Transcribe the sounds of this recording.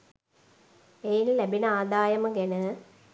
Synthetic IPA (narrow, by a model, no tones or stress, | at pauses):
ejinlæbinəaːd̪aːjɐməɡenə